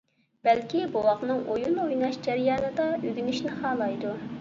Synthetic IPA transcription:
b̥ɛlkʲibowɑqnɨŋʔojunojnɑʃd͡ʒɛɾjɑːnɨd̪ɑøɡʲynɪʃnɪχɑːlˠɑjd̪u

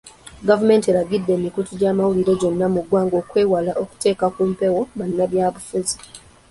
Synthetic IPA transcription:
ɡavume̞ːnte̞ɾaɡidːe̞ːmikutuɟaːmawuliɾe̞ɟo̞nːamuɡwaːŋɡo̞ːkwe̞ːwalaʔoku̥te̞ːkakumpe̞wo̞βanːaβjaːβufuzi̥

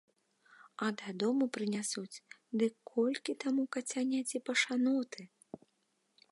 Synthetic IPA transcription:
ɐd̪ad̪ɔmupɾɨnʲasut͡sʲ | d̪ɨkʰːɔlʲkʲit̪amukɐt͡sʲanʲat͡sʲipɐʂanɔt̪ɨ

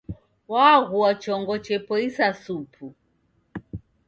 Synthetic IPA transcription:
waɣuat͡ʃɔŋɡɔt͡ʃɛpɔisasupʰu

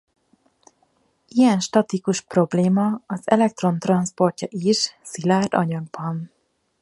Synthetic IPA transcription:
ijɛnʃt̪ɒt̪ikuʃpro̞bleːmɒɒzɛlɛk̚t̪ro̞nt̪rɒnspo̞rcɒʔiʃsilaːrd̪ɒ̰ɲɒɡ̚bɒn

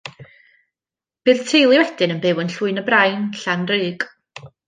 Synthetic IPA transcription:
b̥ɨːðtʰejlˠiwɛd̥ɨnənbɪwənɬwʊɨnəbrajnɬanrɨːɡ

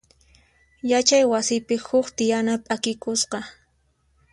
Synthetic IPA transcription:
jat͡ʃajwasɪpɪhʊkt̪ɪjanapʼakɪkʊsqɑ

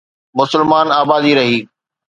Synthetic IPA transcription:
mʊsəlmaːnaːbaːd̪iɾɐɦiː

